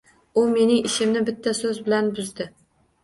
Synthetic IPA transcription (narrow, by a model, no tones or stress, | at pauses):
ʊme̞nɪŋɪʃɪmnɪbɪt̪ʰːasɵzbɪlanbʊzd̪ɪ